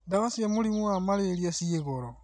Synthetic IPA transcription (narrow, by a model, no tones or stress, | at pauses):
daβasiemulimuamaleɾiasieɣoɾo